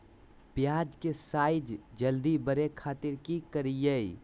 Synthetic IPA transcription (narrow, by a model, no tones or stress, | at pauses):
pjaːd͡ʒkesaɪd͡ʒd͡ʒəld̪ibəɾekʰaːt̪ɪɾkikəɾijəi